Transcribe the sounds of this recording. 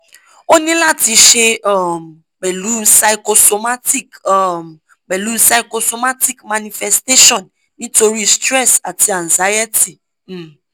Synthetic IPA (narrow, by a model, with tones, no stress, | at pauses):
o˦nĩ˦la˦˨ti˨˦ʃe˦ɔ˦˨ | ɡ͡bɛ˨lu˦sa˨iko˧so˨ma˦ti˦k | ɡ͡bɛ˨lu˦sa˨i˨ko˧so˧ma˦ti˦kma˨ni˨fɛ˨ste˦ʃɔ˨nː | ĩ˦to˧ɾi˦stɾɛ˦˨sa˨ti˨a˨nza˨˦jɛ˦ti˨